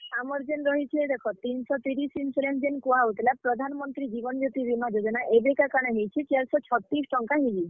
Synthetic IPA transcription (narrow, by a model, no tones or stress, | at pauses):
amɔɾd͡ʒenɾɔɦit͡ʃʰied̪ekʰɔt̪insɔt̪iɾisinselend͡ʒenkuɦaut̪ilapɾɔd̪ʱanmɔnt̪ɾid͡ʒibɔnɔd͡ʒot̪ibimad͡ʒod͡ʒɔnaʔebekakaɽ̃eɦejt͡ʃʰit͡ʃaɾsɔt͡ʃʰɔt̪ɾisʈɔŋkaɦid͡ʒi